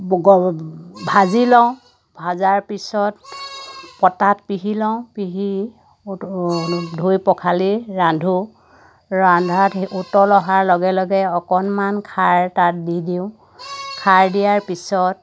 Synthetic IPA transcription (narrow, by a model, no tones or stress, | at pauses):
ɡɔbʱazilɔʊ̃ | bʱazaɹpisɔt | pɔtatpiɦilɔʊ̃piɦi | dʱujpɔkʰaliɹandʱu | ɹandʱatutɔlɔɦaɹlɔɡɛlɔɡɛɔkɔnmankʰaɹtat̚didiʊ̃ | kʰaɹdijaɹpisɔt̚